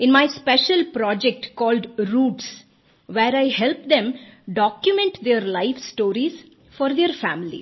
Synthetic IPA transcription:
ɪ̃nmaɪspɛʃəlpɾɔːd͡ʒek̚ʈkɔːlɖɾuːʈs | ʋeːɾaɪhɛlp̚d̪ẽmɖɔːkjʊmẽɳʈd̪eɾlaɪfsʈoːɾiz | fɔːɾd̪eəɾfæ̰̃ːmɪlḭ

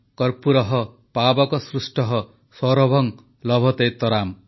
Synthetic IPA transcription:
kʌrpuɾʌɦʌ | pabʌkosrusʈʌɦʌ | swʌɾʌbʱʌŋ | lʌbʱʌt̪ejt̪ʌɾam

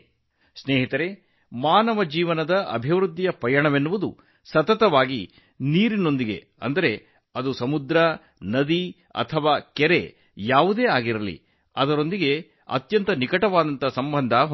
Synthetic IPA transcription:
sneːɦit̪ɐɾe̞ | maːnɐʋɐd͡ʒiːʋɐnɐd̪ɐʔɐ̰bʱiʋɾud̪ːijɐpɐjɐɳɐʋenːuʋud̪ṵ | sɐt̪ɐt̪ɐʋaːɡi | niːɾino̞nd̪iɡe̞̰ | ɐ̰nd̪ɐɾe̞ | ɐd̪usɐmud̪ɾɐ | nɐd̪i | ɐ̰t̪ʰɐʋaːkɛɾe̞ | jaːʋud̪eːaːɡiɾɐlḭ | ɐd̪ɐɾo̞nd̪iɡe̞ | ɐ̰t̪jɐnt̪ɐnikɐʈɐʋaːd̪ɐnt̪ɐsɐmbʱɐnd̪ʱɐɦ

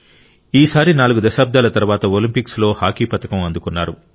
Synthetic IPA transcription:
iːsaːɾinaːluɡud̪ɐʃaːb̚d̪aːlɐt̪ɐɾuʋaːt̪ɐolimpikslo̞ːhaːkiːpɐt̪ɐkɐmɐnd̪ukunːaːɾu

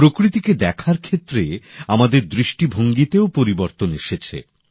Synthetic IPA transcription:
pɾokɾit̪iked̪ɛkʰaɾkʰet̪ːɾeamad̪eɾd̪ɾiʃʈibʱoŋɡit̪eopoɾiboɾt̪oneʃet͡ɕʰḛ

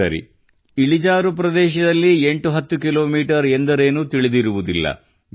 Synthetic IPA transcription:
ɐ̰ɾḭ | iɭid͡ʒaːɾupɾɐd̪ɛːʃ̬ɐd̪ɐlːie̞ɳʈuɦɐt̪ːukilo̞ːmiːʈɐɾend̪ɐɾeːnut̪iɭid̪iɾuʋud̪ilːɐ̰

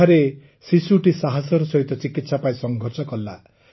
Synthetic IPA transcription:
aɾe | sisuʈisaɦasɔɾɔsɔɦit̪ɔt͡ʃikit̪sapajsɔŋɡʱɔɾsɔkɔlːa

